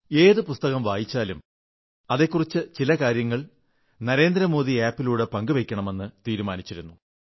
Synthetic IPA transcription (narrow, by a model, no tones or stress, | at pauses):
e̞ːðɨpust̪ɐɣɐmʋaːjit͡ɕːaːlum | ɐðe̞kːurit͡ɕːɨt͡ɕilɐkaːɾjɐŋːɐɭ | nɐɾe̞ːnd̪ɾɐmo̞ːðiaːpːiluːɽe̞pɐŋɡɨʋekʲːɐɳɐme̞nːɨt̪iːɾumaːnit͡ɕːiɾunːu